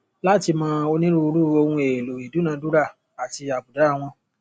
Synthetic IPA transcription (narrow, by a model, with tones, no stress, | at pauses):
la˦ti˧mã˦o˧nĩ˦ɾũ˦u˧ɾu˦o˧hũ˧e˨lo˨i˨du˨˦nãː˨˧˦du˦ɾa˦˨ | a˨ti˧a˨bu˨da˨˦˨w̃ɔ̃˧